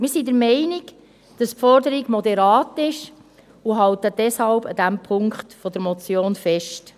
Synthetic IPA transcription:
mɪːɾsidəɾmɛɪniɡ | d̥ɑspfɔrdəɾiɡmɔdɛɾɑːtɪʃ | uɦɑltəd̥ɛshɑlb̥ɑd̥æmpʰʊŋkχtfɔdəɾmɔt͡sjoːnfɛʃt

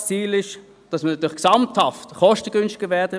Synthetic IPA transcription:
t͡siːlɪʃ | d̥ɑsmənɑt̪yːlɪksɑmthɑftχɔʃtəɡ̥ʏnstɪɡəvɛɐd̥ə

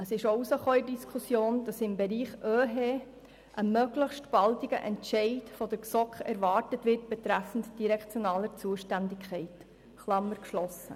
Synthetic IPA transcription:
əsɪʃousəχoːɪdiskχusjoːnd̥ɑsɪmbɛɾiːχʔøːɦeː | ʔəmøɡləχʃtb̥ɑltiɡ̥ə̰ʔɛntʃɛɪtfɔd̥əɾksɔkχɛ̰ɾvɑːɾtətʋɪrt̚b̥ɛtɾæfən̩td̥iɾɛkt͡sjonɑːləɾt͡suəʃtændɪkχɛɪt | χlɑmːəɾkʃlɔsə̰

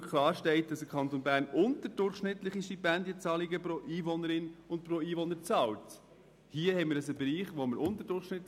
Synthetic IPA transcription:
kʰlɑːɾʃtɛɪt̚d̥ɑsəkʰɑntonbæːɾnʊntəd̥ʊɾχʃnɪtləχiʃtipɛndjət͡sɑliɡəpɾoʔiːvɔnəɾɪnʊntpɾoiːvɔnəɾt͡sɑlt | hiəhɛɪmɪːɾdəs̬əbɛɾiːχʋoməɾʔʊntəɾdʊɾχʃnɪt

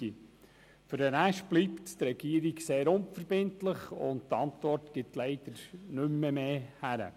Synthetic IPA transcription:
i | fʏɾənæʃb̥lipttɾɛɡ̥iəɾiɡseːɾʊnfəɾb̥ɪntləχʊ̰ndtɑntʋɔrtɡ̥ɪtlɛɪd̥̪əɾnʏmːəmeːhæɾə̰

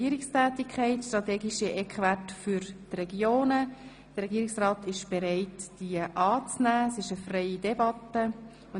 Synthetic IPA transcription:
iəɾɪkstæːt̪ikʰχɛɪtʃtrɑt̪ɛːɡiʃiʔɛkχvætfyɾtrɛɡjoːnə | d̥əɾɛɡiːɾɪksrɑːtɪʃb̥eɾɛɪtd̥iəʔɑːt͡snæːsɪʃəfrɛɪidɛbɑt̪ːə | ʊ

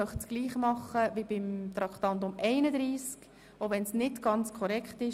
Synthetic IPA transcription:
œχtsɡ̥liːχmɑχːəʋibɪmt̪ɾɑkχt̪ɑntʊmʔɛɪnəd̪ɾiːsk | ovɛnsnɪtɡ̥ɑnt͡skʰɔɾɛkχtɪʃ

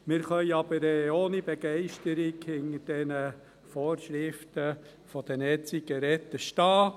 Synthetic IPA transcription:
mɪɾχœjɑb̥əɾɛoːnibeɡ̥ɛɪʃtəɾɪɡhɪŋəd̥ɛnə | fɔːɾʃɾɪftə | fɔd̥̪ɛnɛt͡siɡəɾɛt̪ːəʃtɑː

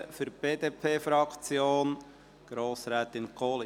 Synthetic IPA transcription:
fyɾb̥eːd̥̪eːpʰeːfɾɑkt͡sjoːn | ɡ̥ɾoːsɾɛːt̪ɪnkʰoːl

